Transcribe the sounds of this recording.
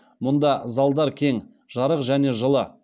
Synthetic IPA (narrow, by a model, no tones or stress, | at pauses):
mʊnd̪ɑzɑlˠd̪ɑɾkʲʰe̞ŋ | ʒ̥ɑɾəqʒæne̞ʒəlˠə